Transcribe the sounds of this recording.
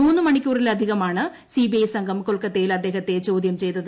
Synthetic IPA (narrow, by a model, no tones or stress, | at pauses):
uːnːɨmɐɳikʲːuːrilɐd̪ʱiɣɐmaːɳɨ | sibiɐjsɐŋɡʱɐmkoɭkɐt̪ːe̞jilɐd̪ːe̞ːɦɐt̪ːe̞t͡ɕo̞ːd̪jɐmt͡ɕe̞jt̪ːɐðɨ